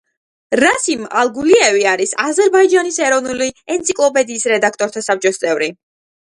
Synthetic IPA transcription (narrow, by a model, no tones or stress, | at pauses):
ɾasima̰lˠɡuliɛviaɾisazɛɾbaid͡ʒanisɛɾɔvnuliɛnt̪sʰʼikʼlˠɔpɛd̪iːsɾɛd̪akʰt̪ʼɔɾt̪ʰasap̚t͡ʃʼɔst̪sʼɛvɾi